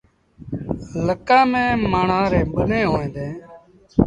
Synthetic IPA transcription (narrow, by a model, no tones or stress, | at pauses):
ləkãːmẽːmaːɳãːɾeːɓənẽːɦoːẽːd̪ẽː